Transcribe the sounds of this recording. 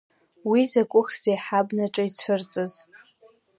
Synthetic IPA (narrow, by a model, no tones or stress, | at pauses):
wizakʷʼʊχz̥ejħabnaʈ͡ʂʼait͡sʷʰʊrt͡sʼɨz